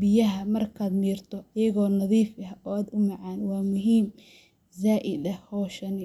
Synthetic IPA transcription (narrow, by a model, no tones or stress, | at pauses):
bɪjɐɦɐmɐrkʰaːd̪miːrt̪ʰɔʔɐjɐɣɔːnɐðiːfɐʔɔːaːd̪ʊmɑʕɑːnwɑːmʊɦiːm | zaːʔɪd̪ɐhɔːʃɐnɪ